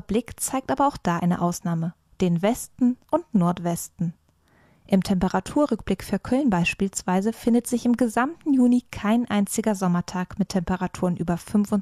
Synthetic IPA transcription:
blɪkt͡saɪk̚tʔaːbɐaʊxd̥aːʔa̰ɪnə̰ʔaʊsnaːmə | d̥eːnvɛstn̩ʔʊntnɔɐtv̥ɛstn̩ | ʔɪmtʰɛmpəʁatʰuːɐʁʏk̚b̥lɪkfyːɐkʰœlnbaɪʃpiːlsv̥aɪzəfɪndətz̥ɪçɪmɡəzamtn̩juːnikʰaɪnʔaɪnt͡sɪɡɐzɔmɐtʰaːkmɪtʰːɛmpəʁatʰuːʁənʔyːbɐfʏnfʊn

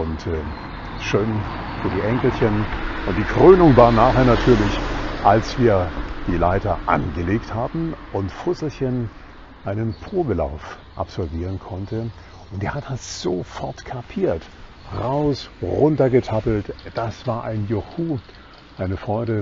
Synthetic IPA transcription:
ʔʊntɛː | ʃøːn | fyːɐdiːʔɛŋkl̩çənʔʊnt̚d̥iːkʁ̥øːnʊŋvaːɐnaːχeːɐnatʰyːɐlɪçʔalsv̥iːɐd̥iːlaɪtɐʔa̰nɡəleːkthaːbm̩ʔʊntfʊzl̩çən | ʔaɪnənpʁ̥oːbəla̰ʊf | ʔa̰pz̥ɔlviːʁ̞ənkʰɔntə | ʔʊntdeːɐhat̚d̥asz̥ofɔɐtkʰapʰiːɐt | ʁaʊsʁʊntɐɡətʰapl̩td̥asv̥aːɐʔaɪnjohuː | ʔaɪnəfʁ̥ɔʏdə

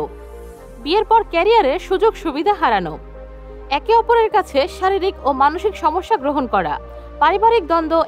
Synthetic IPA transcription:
o | bieɾpɔɾkɛɾijaɾeʃud͡ʑoɡʃubid̪ʱaɦaɾano̰ | ɛkeɔpoɾeɾkat͡ɕʰeʃaɾiɾikomanoʃikʃɔmoʃːaɡɾoɦonkɔɾa̰ | paɾibaɾik̚d̪ɔnd̪o

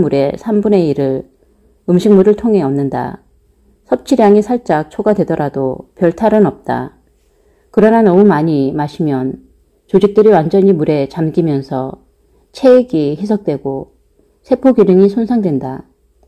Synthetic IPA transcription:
muɾe̞sʰambune̞iɾɯɭ | ɯmɕʰiŋmuɾɯɭtʰoŋɦe̞ʌmnːɯnda̰ | sʰʌp̚t͡ɕʰiɾjaŋisʰaɭt͡ɕ͈ak̚t͡ɕʰoɡadwe̞dʌɾadopjʌɭtʰaɾɯnʌp̚t͈a̰ | kɯɾʌnanʌmumaɲimaɕʰimjʌn | t͡ɕod͡ʑik̚t͈ɯɾiwand͡ʑʌɲimuɾe̞t͡ɕamɡimjʌnsʰʌ | t͡ɕʰe̞ɡihe̞s̬ʰʌk̚t͈we̞ɡo | sʰe̞pʰoɡjunɯŋisʰonsʰaŋdwe̞nda

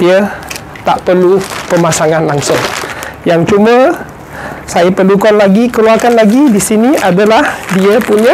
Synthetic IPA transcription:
diə | t̪aʔpərlupəmasaŋanlaŋsʊŋjaŋt͡ʃumə | sajapərlukanlaɡikəluarkanlaɡidisiniʔadalahdiəpuɲa

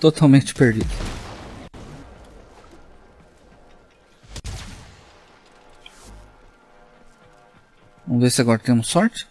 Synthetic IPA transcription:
t̪ot̪ʰawmẽnt͡ʃɪ̥peɾd͡ʒid̪ʊ | võmvesɪaɡɔɾɐt̪ẽmʊsɔɾt͡ʃɪ̥

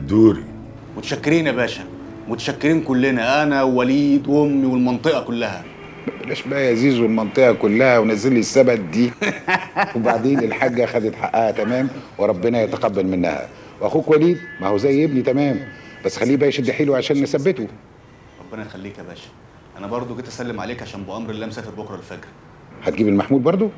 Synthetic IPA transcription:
d̪uːɾḭ | mʊt̪æʃækːɪɾiːnʔæbæːʃæ | mʊt̪æ̥ʃækːɪɾiːnkʊlːɪnæʔænæwwæliːd̪ʔomːiwelmɑnt̪ˤɨʔɑkʊlːæhæ̰ | mæbælæːʃbæʔæʔæziːzulmɑnt̪ˤɨʔɑkʊlːæhæwnæzːelːisːæbæd̪̚d̪iː | webaʕd̪eːnɪlħaɡːæxæd̪ɪt̪ħaʔːæhæt̪æmæːmweɾˤɑbːenæjɑt̪æqɑbːælmenːæ̰hæ̰ | wʔæxuːkwæliːd̪mæhowzæjʔebnit̪æmæːmb̥æsːxælːiːbæːʃd̪eħiːluʕaʃæːnːesæbːet̪o | ɾˤɑbːenæxælːiːkæbæːʃæ̥ | ʔænæbɑɾˤd̪ˤoɡet̪ʔæsælːemʕaleːkʕaʃæːmboʔɑmɾelːæːmsæːfeɾbokɾˤɑlfeɡɾæ | ħæt̪ɡiːbelmaħmuːlbɑɾˤd̪ˤo

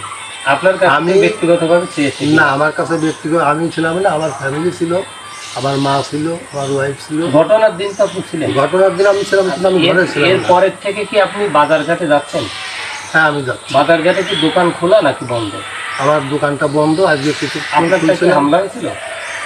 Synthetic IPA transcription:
apnaɾkaamibet̪iɡɔt̪obʱabet͡ɕʰeet̪ʰenaamaɾkat͡ɕʰebek̚t̪iɡɔamit͡ɕʰilamnaamaɾfʰɛmilit͡ɕʰilo | amaɾmat͡ɕʰiloamaɾwajft͡ɕʰiloɡʱɔʈonaɾd̪int̪akut͡ɕʰilenɡʱɔʈonaɾd̪inamit͡ɕʰilaminoamiɡʱɔɾeilaeɾpɔɾeɾt̪ʰːekekiapnibad͡ʑaɾɡʱat̪ed͡ʑat̪ːɕʰen | hɛ̃amid͡ʑat̪bad͡ʑaɾɡʱat̪ekid̪okankʰolanakibɔnd̪ʱo̰ | amaɾd̪okanʈabɔnd̪ʱoad͡ʑɡekkit͡ɕʰuanaɾulakt͡ɕʰiiɦamlaɦot͡ɕʰilo̰

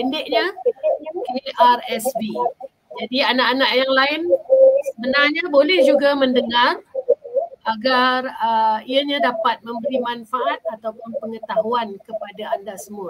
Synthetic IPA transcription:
əndɪʔɲa | keiʔarɛsbi | d͡ʒadianaʔanaʔjaŋlaɪnsəbənarɲabolɛhd͡ʒuɡaməndəŋar | ʔaɡarəiaɲadapat̪̚mə̃mbəɾimanfaʔat̪̚at̪awpʊnpəŋət̪aɦuankəpadaandasəmua

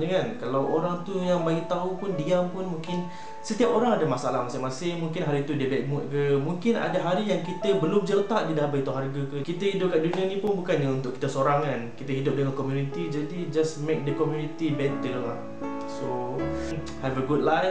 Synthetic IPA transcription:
d͡ʒəŋankalawʔoɾaŋt̪ujaŋbaɡit̪aupʊndiampʊnmũŋkɪn | sət̪iapoɾaŋadamasalahmasɪŋmasɪŋmuŋkɪnɦaɾit̪udiəbɛk̚mʊʔ̪̚kəmũŋkɪna̰daɦaɾijaŋkit̪əbəlʊmd͡ʒəlt̪aʔ̚didahbait̪uɦarɡakəkit̪əhidʊp̚kaʔduniənĩpʊnbukanɲaunt̪ʊʔkːi̥t̪əsoɾaŋkankit̪əɦidʊp̚dəŋankɔmjunit̪id͡ʒadid͡ʒasmek̚dəkɔmjunit̪ibɛnt̪əlŋla | so | havəɡud̚la

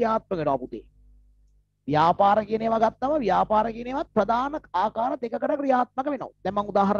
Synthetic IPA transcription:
jaːt̪̚məɡɛnuaput̪ḛː | ʋjaːpaːɾəkineʋaɡat̪ːɐʋəʋijaːpaːɾəkeneʋat̪̚prəd̪aːnɐkaːkaːɾət̪ekəkəʈəkɾijaːt̪̚məkəʋeno̰ʋd̪ɛmmaŋud̪aːɦɐɾ

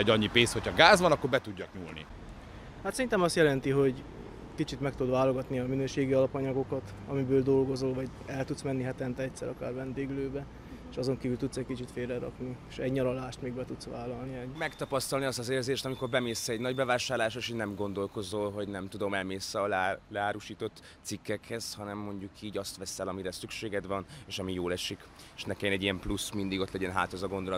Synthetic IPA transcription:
ɛɟɒɲːipeːnsho̞cʰhɒɡaːzʋɒnɒkːoɾbɛt̪uɟːɒkɲuːlnḭ | hat̪sɛɾint̪ɛmɒst̪jɛlɛnt̪iɦo̞ɟ | kit͡ʃit̪mɛk̚t̪ud̪vaːlo̞ɡɒt̪niɒminøːʃeːɡiɒlɒpɒɲɒɡo̞kɒt̪ | ɒmibøːld̪o̞lɡo̞zolvɒɟ | ɛlt̪ut̪smɛnːiɦat̪ɛnt̪ɛɛct̪ʲsɛ̰ɾɒkaːrvɛnd̪eːɡløːbɛ | eːʃɒzo̞ŋkiːvylt̪ut̪sɛckit͡ʃit̪feːlrɛɾɒ̰pnieʃɛɟɲɒɾolaːʃt̪meːɡbɛt̪ut̪sʋaːlɒlniɛmɛkt̪ɒpɒst̪ɒlniɒst̪ɒzeːrzeːʃt̪ɒmiko̞rbɛmeːsɛɛɟnɒɟbɛvaːʃaːrlaːʃeʃoɟnɛmɡo̞nd̪o̞lko̞zolɦo̞ɟnɛmt̪ud̪o̞mɛlmeːsɛɒlːlɛaːɾuʃiːt̪o̞t̪ | sikːɛkhɛz̥hɒnɛmːo̞ɲɟukʰiːɟɒst̪ʋɛsɛlɒmiɾɛsykʃeːɡɛd̪ʋɒneːʃɒmijoːlɛʃik | eʃnɛkɛnɛɟijɛmplusmind̪iɡo̞t̪lɛɟɛnɦa̰ːt̪ozɒɡo̞nd̪ol

